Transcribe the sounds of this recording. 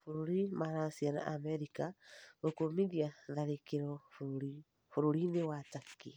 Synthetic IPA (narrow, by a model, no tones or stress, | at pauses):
foɾoɾimaɾasiana̰ʔamɛɾikaɣokomiðiaðaɾekeɾɔfuɾoɾi | foɾoɾinewataki